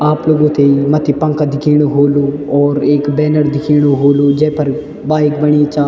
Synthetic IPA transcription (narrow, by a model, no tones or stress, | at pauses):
aːploːɡõːt̪eimət̪ʰiːpə̃ŋkad̪ɪkʰiːɽ̃oɦoːluːɔːɾeːkbɛːnəɾd̪ɪkʰiːɽ̃oɦoːluːd͡ʒɛːpʰəɾ | baːɪkbəɳ̃iːt͡ʃaː